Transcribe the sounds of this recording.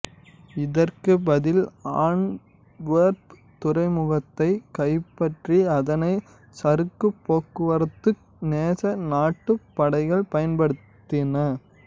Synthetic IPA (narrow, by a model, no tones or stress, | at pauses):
ɪðɐrkɯbɐðɪlaːɳ | ʋɐːɾp | t̪ʊɾɐɪmʊɣɐt̪ːɐɪkɐɪpːɐʈriɐðɐnɐɪ | sɐɾɯkːɯpːoːkːɯʋɐɾɯt̪ːɯ | neːsɐnaːʈːɯpːɐɽɐɪɣɐɭpɐjɐnpɐɽɯtt̪ːɪnɐ